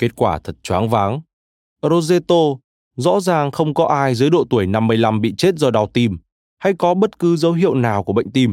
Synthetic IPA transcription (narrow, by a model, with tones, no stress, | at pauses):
ke˦˥t̚kwaː˧˩t̪ʰə˨˩t̚t͡ɕwaː˨˦ŋvaː˨˦ŋ | ɾo˧ze˧t̪o˧ | zɔ̰˧˥zaː˨˩ŋxə˧wŋ͡mkɔ˨˦ʔaː˧jzɨ˨˦jɗo̰˧˨t̪u˧˩əjna˧mːɨ˧əjla˧mɓḭ˧˨t͡ɕe˦˥t̚zɔ˧ɗa˨˧˩wt̪i˧m | ha˧˩jkɔ˨˦ɓə˦˥t̚kɨ˨˦zə˨˦wɦḭ˧˨əwnaː˨˩wku˧˩əɓə̰˧˨ŋ̟t̪i˧m